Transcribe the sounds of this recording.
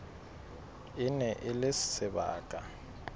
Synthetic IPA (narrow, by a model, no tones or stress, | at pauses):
ɪnɛʔɪlɪsɪ̥sɪba̰ːkʼa